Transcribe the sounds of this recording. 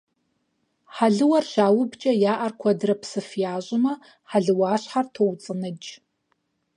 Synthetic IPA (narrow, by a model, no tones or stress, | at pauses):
ħaɮɨwɐrʃaːwɨbt͡ʃʼɐjaːʔɐrkʷʰɐdɨrɐpʰsɨfjaːɕʷʼɪmɐ | ħaɮɨwaːɕħartʰowt͡sʼɨnɨd͡ʒ